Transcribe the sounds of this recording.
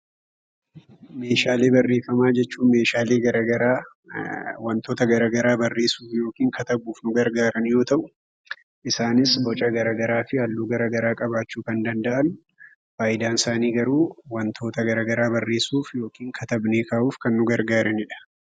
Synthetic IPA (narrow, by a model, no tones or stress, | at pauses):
me̞ːʃaːle̞ːbɐrːeːfɐmaːd͡ʒɛt͡ʃːuːnme̞ːʃaːleːɡɐɾɐɡɐɾaː | wɐnt̪o̞ːt̪ɐɡɐɾaːɡɐɾaːbɐrːe̞ːsuːfjo̞ːkiːŋkɐt̪ɐbuːfnʊɡɐɾɡaːɾɐnjo̞ːt̪ɐʔʊ | ʔɪsaːnɪsbɔt͡ʃʼɐɡɐɾaːɡɐɾaːfɪhɐlːuːɡɐɾɐɡɐɾaːkʼɐbaːt͡ʃːuːkɐnd̪ɐnd̪ɐʔɐn | faːʔɪd̪aːnɪsaːniːɡɐɾuːwɐnt̪ʰo̞ːt̪ɐɡɐɾɐɡɐɾaːbɐrːe̞ːsuːfjo̞ːkiːŋkʰɐt̪ɐbne̞ːkaːʔuːfkɐnːʊɡɐɾɡaːɾɐnɪᶑɐ̥